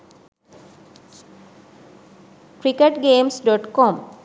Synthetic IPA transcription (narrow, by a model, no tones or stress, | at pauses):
kɾikeʈɡemsɖɔʈkɔm